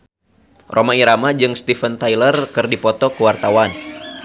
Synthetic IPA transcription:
rʔomaiɾamad͡ʒɨŋst̪ifənt̪ajlərkɨrdipɔt̪ɔkəwart̪awan

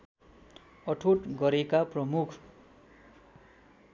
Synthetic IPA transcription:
ʌʈʰoʈɡʌɾekaprʌmukʰ

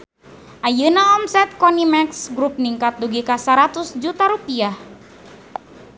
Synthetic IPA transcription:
ʔajɨnaɔmsɛt̪̚kɔnimɛksɡɾup̚niŋkat̪̚duɡikasaɾat̪ʊsd͡ʒut̪aɾupiah

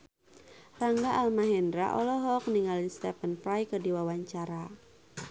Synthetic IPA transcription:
raŋɡaʔalmaɦɛndɾa̰ʔɔlɔɦɔk̚niŋalist̪ɛpənpɾajkərdiwawaɲt͡ʃaɾa

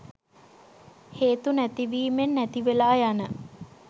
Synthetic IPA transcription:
heːt̪unæt̪iʋiːmenːæt̪iʋelaːjanə

